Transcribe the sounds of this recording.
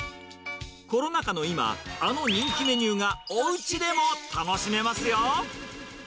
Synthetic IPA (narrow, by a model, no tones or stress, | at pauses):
ko̞ɾo̞nakano̞ima̰ano̞ɲ̟ĩŋkʲime̞ɲ̟ʲɨːɡaoɯ̟t͡ɕid̪e̞mo̞t̪ano̞ɕime̞masɨjo